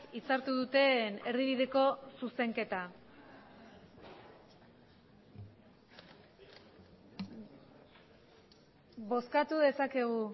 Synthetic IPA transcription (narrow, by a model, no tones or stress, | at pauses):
it͡saɾt̪uðut̪e̞ne̞ɾðiβiðe̞ko̞suse̞ŋke̞t̪a | βo̞skat̪uðe̞sake̞ɣ̞u